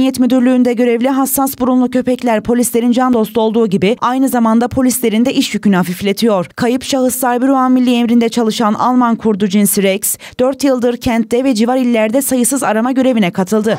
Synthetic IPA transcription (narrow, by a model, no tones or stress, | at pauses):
jɛt̪myd̪yɾlʲyːnd̪ɛɟø̞ɾɛvlʲiɦasːasbuɾunlˠucʰø̞pɛclʲæɾpʰo̞lʲislʲe̞ɾind͡ʒand̪o̞slˠuo̞lˠd̪uːɟibiajnɯzamand̪apʰo̞lʲislʲe̞ɾind̪ɛʔiʃjycynyhafiflʲe̞t̪ʰijo̞ɾ̥kʰajɯpʃaɦɯslˠaɾbiɾuanmilʲːiɛmɾind̪ɛt͡ʃʰalˠɯʃana̰lˠmankʰuɾd̪ud͡ʒinsɾɛks | d̪̥øɾt̪jɯlˠd̪ɯɾcʰænt̪̚ːɛvɛd͡ʒivaɾilʲːæɾd̪ɛsajɯsɯzaɾamaɟø̞ɾe̞vinɛkʰat̪ʰɯlˠd̪ɯ